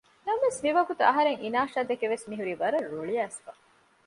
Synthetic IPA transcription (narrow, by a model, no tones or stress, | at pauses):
nɐmʋesmiʋɐɡut̪uɐɦɐɾeŋinaːʂaːd̪ekeʋesmiɦuɾiːʋɐɾɐɾuɭiæːsfɐ